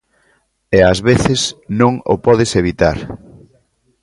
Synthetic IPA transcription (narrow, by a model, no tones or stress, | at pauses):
eazβeθesnõŋo̰pɔðeseβit̪aɾ